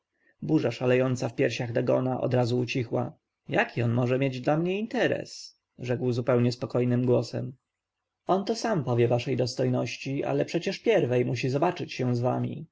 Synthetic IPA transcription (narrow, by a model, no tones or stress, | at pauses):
buʐaʂalɛjɔnt̪safpʲjɛɾɕaɣd̪aɡɔ̰naʔɔ̰d̪ɾazuut͡ɕixwa | jakʲiɔnmɔʐɛmʲjed͡ʑd̪lamɲɛint̪ɛɾɛ̰s | ʐɛkwzupɛwɲɛspɔkɔjnɘmɡwɔsɛ̰m | ɔnt̪ɔsampɔvʲjɛvaʂɛjd̪ɔst̪ɔjnɔɕt͡ɕiʔa̰lɛpʂɛt͡ɕɛʂpʲjɛɾvɛjmuɕ̬izɔbat͡ʂɘt͡ɕɕɛ̃zva̰mʲḭ